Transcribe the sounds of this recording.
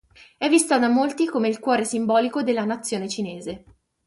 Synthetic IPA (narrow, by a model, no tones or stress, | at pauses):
ɛvːist̪ad̪amolt̪ikomeilkwɔːɾesimbɔːlikod̪elːanat̪sːjoːnet͡ʃineːze